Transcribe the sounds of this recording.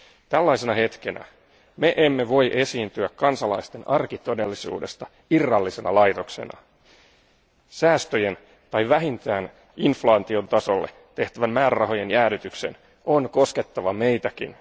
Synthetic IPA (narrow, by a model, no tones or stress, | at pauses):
t̪ælːɑjse̞nɑhe̞t̪ke̞næ̰ | me̞ʔemːe̞ʋo̞jʔe̞siːnt̪yækːɑnsɑlɑist̪enɑrkit̪o̞de̞lːisṵːde̞st̪ɑ | irːɑlːise̞nɑ̰lɑjt̪o̞kse̞̰nɑ̰ | sæːst̪øjen | t̪ɑjʋæɦint̪æːn | inflɑːt̪io̞nt̪ɑso̞lːḛ | t̪ːe̞ht̪æʋæmmæːɾærɑɦo̞jenjæːɾyt̪ykse̞̰n | o̞nko̞ske̞t̪ːɑʋɑme̞jt̪ækḭn